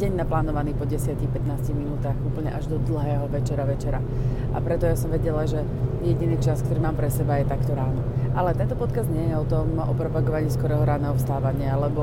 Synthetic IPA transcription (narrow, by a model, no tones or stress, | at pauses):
ɟɛɲnaplaːnɔʋaniːpɔɟɛsɪacixpɛt̪naːsciɣminuːt̪aːɣuːpl̩ɲɛʔaʒd̪ɔd̪l̩ˠɦɛːɦɔʋɛt͡ʃɛɾaʋɛt͡ʃɛɾa̰ | apɾɛt̪ɔjasɔmʋɛɟɛlaʒɛ | jɛɟiniːt͡ʃaskt̪ɔɾiːmaːmpɾɛsɛbajɛt̪akt̪ɔɾaːnɔʔalɛt̪ɛnt̪ɔpɔt̪kazɲɪɛjɛɔt̪ɔm | ɔ̰pɾɔpaɡɔʋaɲiːskɔɾɛːɦɔɾaːnɛɦɔfst̪aːʋaɲɪaalɛbɔ